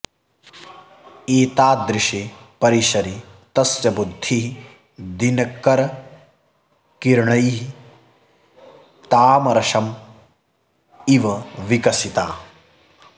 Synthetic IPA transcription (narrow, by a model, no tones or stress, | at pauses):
eːt̪aːd̪ɾɪʃe | pɐɾiʃɐɾit̪ɐsjɐbud̪ʱːiɦi | d̪inɐkːɐɾɐ | kiɾɳɐjɦi | t̪aːmɐɾɐʂɐm | iʋɐʋikɐsit̪aː